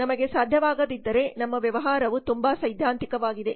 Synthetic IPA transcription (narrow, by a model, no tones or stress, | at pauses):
nɐmɐɡe̞saːd̪ʱjɐʋaːɡɐd̪id̪ːɐɾe̞nɐmːɐʋjɐʋɐɦaːɾɐʋut̪umbaːsɐjd̪ʱjaːnt̪ikɐʋaːɡid̪e̞